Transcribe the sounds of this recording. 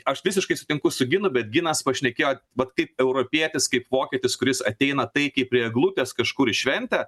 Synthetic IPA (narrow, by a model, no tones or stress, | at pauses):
ɐʃʋʲɪsʲɪʃkɐɪsʊt̪ʲɪŋkʊsʊɡʲɪnʊbʲɛt̪̚ɡʲɪnɐspɐʃʲnʲɛkʲeːjoːʋɐt̪kɐɪpɛʊɾoːpʲiɛt̪ʲɪskɐɪpʋoːkʲɛt̪ʲɪskʊɾʲɪsɐt̪ʲɛɪnɐt̪ɐɪkɐɪpʲːɾʲiɛɡlˠut̪ʲeːskɐʃkʊɾɪʃʲʋʲɛnʲt̪ʲɛ